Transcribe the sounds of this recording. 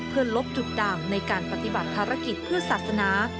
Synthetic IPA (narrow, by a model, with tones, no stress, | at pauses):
pʰɯː˥˩ənlo˦˥p̚t͡ɕu˨˩t̪̚daː˨˩ŋna˧jkaː˧npa˧t̪i˨˩ba˨˩t̪ʰːaː˧ɾa˦˥ki˨˩t̪̚pʰɯ˥˩ɐsaː˨˩t̪̚sa˧naː˩˦